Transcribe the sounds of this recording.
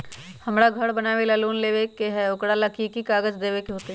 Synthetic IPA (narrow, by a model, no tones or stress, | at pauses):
həmɽaːɡʱəɽbənaːʋelaluːnleːʋekeɦɛʊkɽaːləkikikaːɡəd͡ʒd̪eːʋekeɦoːt̪e